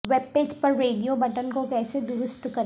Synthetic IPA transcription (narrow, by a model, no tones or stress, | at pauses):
ʋeːb̚peːd͡ʒpɐɾːeːɖijobɐʈənkokɛːsed̪ʊɾʊst̪kɐɾ